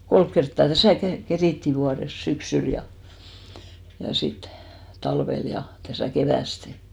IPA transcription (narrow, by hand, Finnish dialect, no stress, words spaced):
kolk kertːɑˑ tæsæˑ ke keriˑtːi ʋuɑres syksyl jɑ jɑ sit tɑlʋel jɑ tæsæˑ keʋæˑste